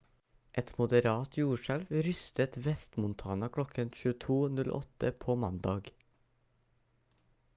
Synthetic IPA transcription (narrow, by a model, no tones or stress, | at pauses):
ʔɛt̪mʊd̪əɾɑːt̪ʰjuːʃælʋɾʏst̪ət̪ʋɛst̪mʊnt̪ʰɑːnɑkʰɽɔkʰənçʉːət̪ʰuːnʉlʔɔ̰t̪əpʰoːmɑnd̪ɑːɡ